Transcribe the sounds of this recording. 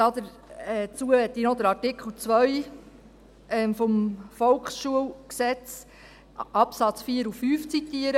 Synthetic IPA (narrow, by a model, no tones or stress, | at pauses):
d̥̪ɑd̪əɾ | ɛt͡suəɛt̪ːinɔd̪əɾɑɾtɪkχl̩ˠt͡sʋœj | ɛmfɔmfɔlkχsʃuəwksɛt͡s | ʔɑpsɑt͡sfiːəɾufːyːft͡sit̪iəɾə